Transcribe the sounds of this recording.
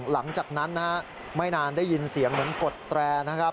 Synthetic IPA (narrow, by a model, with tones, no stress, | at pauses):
la˩˦ŋt͡ɕaː˨˩k̚na˦˥nːa˦˥ha˦˥ | ma˥˩jnaː˧ndaː˥˩jːi˧nsi˨˩˦əŋmɯ˨˩˦ŋko˨˩t̪ːɾɛː˧na˦˥kʰa˦˥p̚